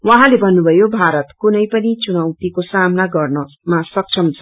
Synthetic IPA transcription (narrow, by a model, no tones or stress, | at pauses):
wʌɦãlebʱʌnːubʱʌjobʱaɾʌt̪kunʌjpʌnit͡sunʌwt̪ikosamnaɡʌrnʌ | masʌk̚t͡sʰʌmt͡sʰʌ̥